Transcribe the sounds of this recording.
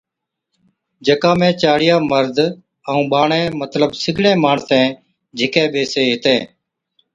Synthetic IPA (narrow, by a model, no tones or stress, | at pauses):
d͡ʒəkãːmẽːt͡ʃaːɽɪjaːməɾd̪ʱ | əũːɓaːɳẽːmət̪ləɓsɪɡɽẽːmaːɳsẽː | d͡ʒʱɪkẽːɓeːseːɦɪt̪ẽː